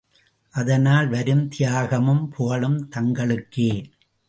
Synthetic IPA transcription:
ʔɐðɐnaːlʋɐɾɯmt̪ɪjaːɣɐmɯmpʰoɣɐɭɯmt̪ɐŋɡɐɭɯkːeː

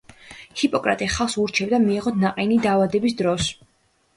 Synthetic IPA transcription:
hipʼɔkʼɾa̰t̪ʼiχalˠχsuɾt͡ʃʰɛbd̪amiɛʁɔt̪ʰnaqʼɛnid̪aːvad̪ɛbisd̪ɾɔs

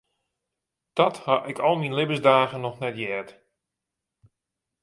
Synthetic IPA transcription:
d̥ɔthɑʔɪkɔlˠminlɪbəzdaːɣənɔxnɛtjɛːt

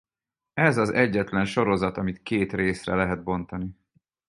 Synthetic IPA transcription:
ɛzɒzɛɟːɛt̪lɛnʃo̞ɾo̞zɒt̪ɒmit̪keːt̪reːsrɛ̰lɛɦɛd̪̚bo̞n̪t̪ɒni

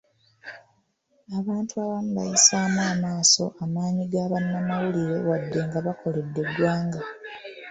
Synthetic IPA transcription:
aβaːntuaβamuβa̰jisaːmaːmaːso̞̰ʔamaːɲiɡaβanːamawuliɾe̞wadːe̞ŋɡaβakʰo̞le̞dːe̞dwaːŋɡa

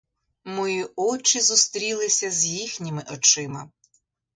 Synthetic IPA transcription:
mɔjiɔt͡ʃɪzust̪ɾʲilˠɪsʲɐzʲjixnʲɪmɪʔɔt͡ʃɪmɐ

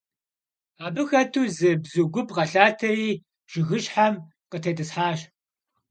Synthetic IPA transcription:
aːbɨxɐtʰuːzɨbzuɡʷʊpʰʼʁɐɬaːtʰɐriː | ʒ̥ɪɣɨɕħam | qətʰeːtʼɨsħaːʃ

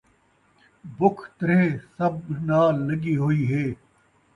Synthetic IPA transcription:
bʊkʰt̪ɐɾẽːsɐbnaːlːɐɡiːɦoːiːɦeː

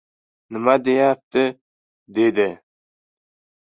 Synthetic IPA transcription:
nɪmad̪ejap̚t̪ʰɪ | d̪ed̪ɪ

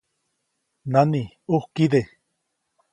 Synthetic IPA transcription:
nani | uhkiðe

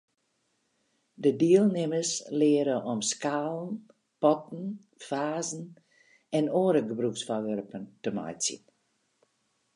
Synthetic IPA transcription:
dədiəlˠnɪməslɪəɾəʔɔmskaːlˠn | pɔtn̩ | faːzn̩ | ɛnoːɾəɡəbruksfɔʋørpəntəma̰jtsḭn

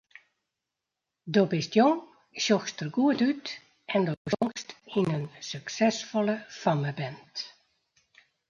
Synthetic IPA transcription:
dobɪstjoŋ | sjɔxstərɡuətyt | ɛndoŋstinənsyksɛsfɔlˠəfaməbɛnt

